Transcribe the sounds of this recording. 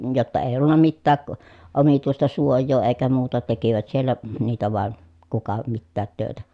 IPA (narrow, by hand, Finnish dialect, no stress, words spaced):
jotːɑ eˑij̆ olːunːɑ mitːæːk omituistɑ suojˑoː eˑi̯kæ muːtɑ tekiʋæt sielːæ niːtæ ʋɑˑen kukɑ mitːæːt tøˑetæ